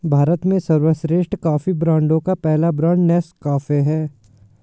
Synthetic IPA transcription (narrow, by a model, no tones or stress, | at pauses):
bʱaːɾət̪mẽsɐɾwəʃɾeːʃʈkaːfibɾãːɳɖõkapɛɦlabɾãːɳɖnɛːskaːfeɦɛː